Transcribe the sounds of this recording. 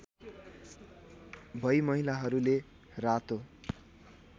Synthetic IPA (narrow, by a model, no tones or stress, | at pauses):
bʱʌjmʌɦilaɦʌɾule | rat̪o